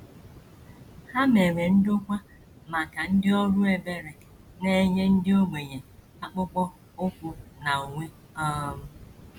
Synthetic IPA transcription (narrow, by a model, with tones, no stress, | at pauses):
ha˦me˨ɾe˨n̩˦dʊ˦kʷa˦ | ma˨ka˨n̩˦dɪ˦ɔ˦ɾʊ˦e˨be˦ɾe˨ | ne˦ɲe˦n̩˦dɪ˦o˦ɡ͡be˨ɲe˨ | a˦k͡pʊ˦k͡pɔ˦ | o˦kʷu˦na˨o˨ŋʷe˦ | ɔ˦m̩˦